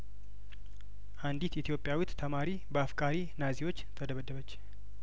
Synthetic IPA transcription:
ʔand̪it̪it̪ʰjo̞pʼjawut̪tʰəmaɾibəafkʼaɾi | naziwo̞t͡ʃːt̪ʰəd̪əβəd̪ːəβət͡ʃː

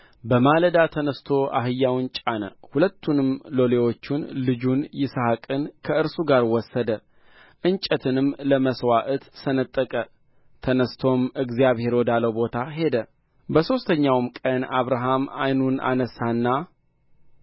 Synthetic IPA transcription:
bəmaləd̪at̪ʰənəst̪ʰo̞ʔa̰ɦɨjːawnt͡ʃʼanə̰hulət̪ʰːunɨmlo̞le̞wo̞t͡ʃːunlɨd͡ʒunjɪshakʼɨnkʰəɨɾsuɡaɾwɔsːəd̪ə | ʔɨnt͡ʃʼət̪ʰɨnɨmləməswaʔɨt̪sənət̪ʼːəkʼə | t̪ʰənəst̪ʰo̞mɨɡzijaβhe̞ɾwod̪aləwbo̞t̪ʰaɦe̞d̪ə | bəso̞st̪ʰəɲːawmkʼənaβɾaɦama̰jnunʔa̰nəsanːa

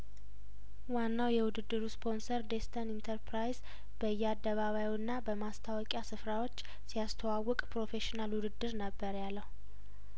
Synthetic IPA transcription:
wanːawjɛwʊd̪ɨd̪ːɨɾuspʰo̞nsəɾd̪est̪ʰənint̪ʰəɾpɾajz | b̥əjːɛad̪ːəβaβajiɨnːabəmast̪ʰawɔkʼjasɨfɾawo̞t͡ʃː | sijast̪ʰəwawːɔkʼpɾo̞fe̞ʃinalwʊd̪ɨd̪ːɨɾnəbːəɾjalːəhu

